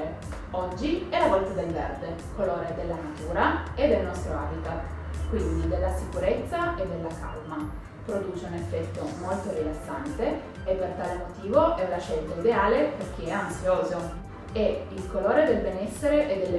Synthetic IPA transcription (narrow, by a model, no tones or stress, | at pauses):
e | ɔd͡ʒːiɛlavɔlt̪ad̪elvḛrd̪e | koloːɾed̪elːanat̪uːɾaed̪ːelnɔst̪ɾoaːbit̪at̪ | kwind̪id̪elːasikuɾet̪sːaed̪ːelːaka̰lma | pɾod̪uːt͡ʃeunefːɛt̪ːomolt̪oɾilasːant̪e | epːert̪aːlemot̪iːvoʔɛlaʃɛlt̪aid̪eaːleperk̟iɛansjoːzo | eilkoloːɾed̪elbenɛsːeɾeʔed̪ːelːe